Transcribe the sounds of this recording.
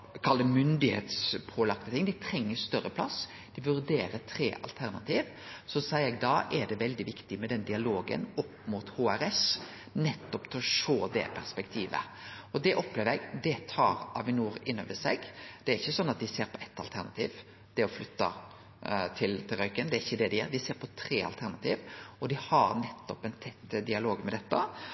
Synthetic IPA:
kʰɑlːd̪əmʏnd̪ɪhḛːt̪spʰoːlɑkt̪ət̪ɪŋd̪ɪt̪ʰɾɛŋːəɾst̪œɾːəpʰlɑs | d̪̥ɪʋʉɾd̪eːɾət̪ʰɾeːʔɑ̰lt̪ʰæɾnɑ̰t̪ʰiːʋ | sɔsæɪəɾɛɡ̚d̪ɑːʔɛɖɛʋɛld̪ɪʋɪkt̪ɪmɛd̪ɛnd̪ɪɑloːɡə̰nɔpːmut̪hoːæɾɛs | nɛt̪ːɔpt̪ʰlɔʃoːd̪ɛ̰pʰæɾspɛkt̪ʰiːʋə̰ | ɔd̪ɛʔɔpleːʋəɾɛɡd̪ɛt̪ʰɑ̰ːɾɑʋɪnuːɾɪnːɔ̰ːʋəsɛ̰ɡd̪̥ɛæɾɪçːəsɔnːɑt̪̚d̪ɪseːɾpʰɔɛt̪ːɑlt̪ʰæɾnɑt̪ʰḭːʋ | d̪̥ɛɔflʏt̪ːɑ | t̪ʰɪlt̪ʰɪlɾœʏkənd̪ɛæɾɪçːəd̪ɛd̪ɛɪjæ̰ːɾd̪ɪseːɾpʰɔt̪ʰɾeːɑ̰lt̪ʰæɾnɑt̪ʰḭːʋɔd̪ɪhɑɾnɛt̪ːɔpɛnt̪ʰɛt̪ːd̪ɪɑloːɡmɛd̪ɛt̪ːə

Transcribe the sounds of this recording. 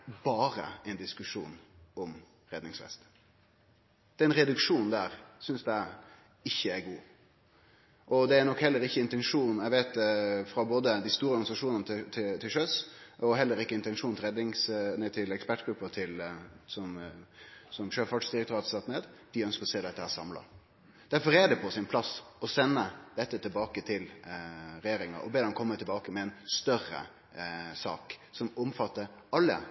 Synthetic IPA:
bɑːɾə̰ɛɪnd̪ɪskʉʂṵːnɔm | ɾɛd̪nɪŋsfɛ̰st̪ | d̪̥ɛːɛɛnɾɛd̪ʉkʂuːnd̪æːɾsʏnsd̪æɪ | ɪçːəæɡuː | ʔɔd̪ɛæɾnɔkhɛlːəɾɪçːəɪnt̪ɛnʂuːnɛɪɡʋeɪt̪̚d̪ɛfɾɑboːd̪əd̪æɪst̪uːɾəɔɾɡɑnɪsɑʂuːnənəɪt̪ʰɪt̪ʰɪlʂœsʔɔɦɛlːəɾɪkːəɪnt̪ɛnʂuːnɪlɾɛd̪nɪŋsnæt̪ʰɪlɛkspæʈɡ̥ɾʉpːət̪ʰɪlsɔm | sɔmʃøːfɑɖʂd̪ɪɾɛkt̪ʰɾɑːt̪sɑt̪neːd̪d̪̥ɪœnskəɾɔseːd̪ɛt̪ːəhæːsɑmlɑ̰ | d̪̥æɾfɔɾɛɖɛpʰɔsɪnpʰlɑsɔsɛnːəd̪ɛt̪ːət̪ʰɪlbɑːkət̪ʰɪl | ɾɛjeːɾɪŋə̰ɾɔ̰beːd̪ɛmkʰɔmːət̪ʰɪlbɑːkəmɛɛnst̪œrə̰ | sɑ̰ːksɔmɔmfɑt̪ːəɾɑlːə̰

